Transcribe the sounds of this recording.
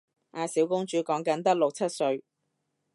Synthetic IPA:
ʔaː˨˧siː˨˥wkʊ˥ŋt͡ʃyː˨˥kɔː˨˥ŋkɐ˨˥nt̪ɐ˥k̚lʊ˨k̚t͡sʰɐ˥t̚sɵ˧ɥ

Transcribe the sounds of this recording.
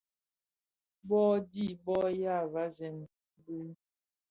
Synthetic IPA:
bɔ˦di˦˨bɔ˦ja˦˨va˦zɛ˨n | bʉ˦n

